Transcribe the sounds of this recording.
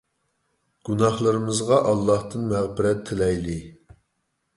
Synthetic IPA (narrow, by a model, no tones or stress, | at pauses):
ɡ̥unɑχlˠɨɾɨmɨzʁɑʔɑlˠːɑht̪ɨnmæʁbɪɾɛt̪ʰːɪlɛjlɪ